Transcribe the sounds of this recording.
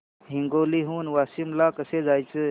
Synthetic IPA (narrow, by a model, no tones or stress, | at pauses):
ɦiŋɡoːliɦuːnʋaːsimlaːkəsed͡ʒaːjt͡sɨ